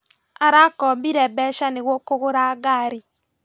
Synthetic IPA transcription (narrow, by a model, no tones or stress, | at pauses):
aɾakɔmbiɾɛbɛʃaneɣwokoɣoɾaɡaɾi